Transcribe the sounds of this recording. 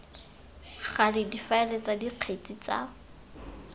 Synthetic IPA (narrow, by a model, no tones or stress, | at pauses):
χalɪdifaɛlet͡sadiq͡χʰet͡sʼit͡sa̰